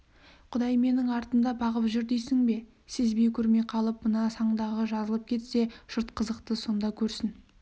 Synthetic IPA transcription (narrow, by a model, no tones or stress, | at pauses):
qʰʊd̪ɑjme̞nɪŋɑɾt̪ənd̪ɑbɑʁəpʒʏɾd̪ejsɪŋbe̞ | sɪzbejkʲʰɵɾmeqʰɑlˠəp̚mənɑsɑɴd̪ɑʁəʒɑzəlˠəp̚kʲʰe̞t̪se̞ʒ̥ʊɾt̪qʰəzəqt̪əso̞nd̪ɑkʲʰɵɾsɪn